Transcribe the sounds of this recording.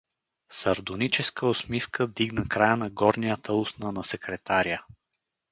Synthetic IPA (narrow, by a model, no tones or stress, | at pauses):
səɾd̪onit͡ʃɛskəosmifkʰəd̪iɡnəkɾajənɐɡɔɾniət̪əusnənɐsɛkɾɛt̪aɾijə